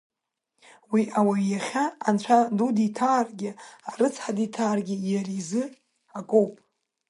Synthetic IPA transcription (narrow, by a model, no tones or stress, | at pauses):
wiʔawajaχʲaant͡ʃʷʰaduditʰaːrɡʲɪaɾɨt͡sʰħaditʰaːrɡʲɪjaɾizɨ | akʼowpʼ